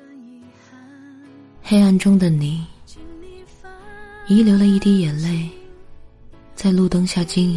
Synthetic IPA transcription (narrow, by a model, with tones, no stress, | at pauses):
xe˥˧ɪa˥˨nʈ͡ʂʊ˥ŋd̪ə˨ni˨˩˦ | i˧˥ljo˧˥ʊlə˨˧i˥˩t̪i˥jɛ˨˩nle˥˩ɪ | t͡sa˥˧ɪlu˥˨t̪ɤ˥ŋɕja˥˩t͡ɕi˥ŋ˨